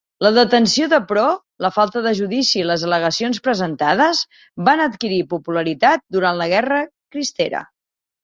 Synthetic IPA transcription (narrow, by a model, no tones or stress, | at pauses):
ləðət̪ənsioðəpɾɔ | ləfalˠt̪əðəʒuðisiːləzələɣ̞əsionspɾəzənt̪aðəz | banət̪kiɾipupuləɾit̪at̪̚d̪uɾant̪ləɣ̞ɛrəkɾist̪eɾə̰